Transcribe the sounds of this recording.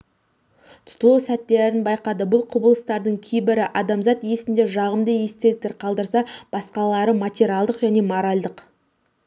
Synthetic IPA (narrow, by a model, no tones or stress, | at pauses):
t̪ʰʊ̥t̪əlˠusæt̪ːe̞ɾɪnbɑjqɑd̪əbʊlˠqʰʊbəlˠəst̪ɑɾd̪əɴkʲʰejbɪɾɪʔɑd̪ɑmzɑt̪je̞sɪnd̪e̞ʒɑʁəmd̪əje̞st̪e̞lk̚t̪eɾqʰɑlˠd̪əɾsɑb̥ɑsqɑlˠɑɾəmat̪ʲeɾʲialˠd̪əqʒæne̞moɾɑlʲˠd̪əq